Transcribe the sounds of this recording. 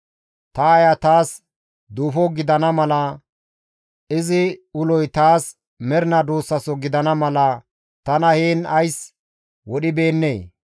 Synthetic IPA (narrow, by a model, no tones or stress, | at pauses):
t̪ɐːjɐt̪aːs | d̪uːfɔɡɪd̪ɐnɐmɐlɐ | ɪzɪʊlɔjt̪aːs | mɛɾɪnɐd̪uːsːɐsɔɡɪd̪ɐnɐmɐlɐ | t̪ɐnɐheːnɐjs | wɔɗɪbe̞ːnːeː